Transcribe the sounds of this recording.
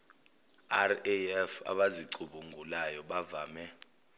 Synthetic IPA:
arɛɛfa̰ɓaziǀuɓuŋɡʱulajɔɓavaːmɛ

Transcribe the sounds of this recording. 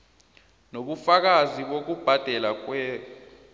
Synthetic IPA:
noɓufak̬aziɓok̬ub̥ʱad̥ʱɛlak̬wɛː

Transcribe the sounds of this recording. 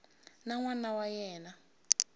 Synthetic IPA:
naŋwanawajɛːna

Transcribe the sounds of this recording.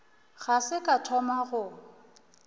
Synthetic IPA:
ɣasɪkʼatʰɔmaɣʊ

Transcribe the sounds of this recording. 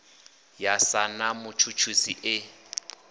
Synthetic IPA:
jasanamʊt͡ʃʰut͡ʃʰusiʔɪ

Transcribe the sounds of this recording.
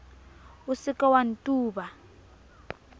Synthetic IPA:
usɪkɔwan̩tʼuːba

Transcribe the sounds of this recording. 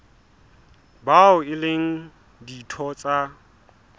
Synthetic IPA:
baʊɪlɪŋ̩ | ditʰɔt͡sʼa

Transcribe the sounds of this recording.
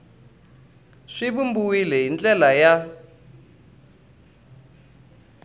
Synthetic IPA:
ʂibumbuwilɛɦint͡ɬʼɛlaja

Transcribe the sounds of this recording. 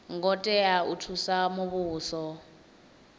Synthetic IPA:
ŋɡɔtʼɛautʰusamoβuːsɔ

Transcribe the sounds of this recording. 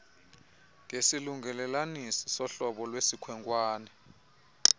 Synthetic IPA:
ŋʱesiluŋɡɛlɛlanisi̥sɔɬɔɓɔlwesikʰwɛŋkʼwaːnɛ

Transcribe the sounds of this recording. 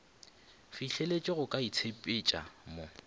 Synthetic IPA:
fiɬelet͡ʃʼɪɣʊkʼait͡sʰepʼɪt͡ʃʼa̰mo

